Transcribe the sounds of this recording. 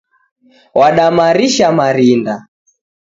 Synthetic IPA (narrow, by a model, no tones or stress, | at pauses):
waɗamaɾiʃamaɾinda